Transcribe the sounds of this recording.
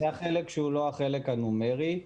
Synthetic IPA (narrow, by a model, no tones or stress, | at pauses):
eaχelekʃeulo̞aχelekhanumeʁi